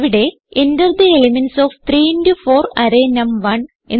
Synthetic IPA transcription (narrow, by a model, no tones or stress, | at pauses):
ʋiɽe̞ | indɐrd̪ielimensoːft̪ɾiːindufoːrɐɾeːnɐmʋɐn | e